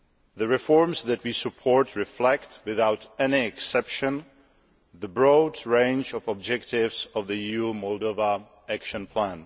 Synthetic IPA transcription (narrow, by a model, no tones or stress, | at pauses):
ðəɹɪfɔɹmsðɨt̚wisəpʰɔɹtʰɹɪflɛktwɪðawtɛniɛksɛpʃɨ̃n | ðəbɹodɹẽɪ̃nd͡ʒɔvɔb̚d͡ʒɛktɪvsɔvðɨjumɔlˠdova | ækʃɨ̃npʰlæ̃n